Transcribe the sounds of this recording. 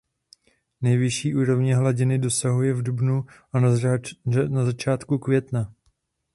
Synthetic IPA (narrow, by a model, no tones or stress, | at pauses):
nɛjvɪʃiːʔuːɾo̞vɲɛɦlaɟɪnɪdo̞saɦujɛvdubnu | a | nazat͡ʃaːt̪kukvjɛt̪na